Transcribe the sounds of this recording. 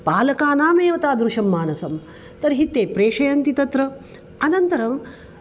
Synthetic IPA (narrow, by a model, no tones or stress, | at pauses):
paːlɐkaːnaːmeːʋɐt̪aːd̪ɾuʃɐmːaːnɐsɐm | t̪ɐɾɦit̪ːeːpɾeːʂɐjɐnt̪it̪ɐt̪ɾɐ | ɐnɐnt̪ɐɾɐm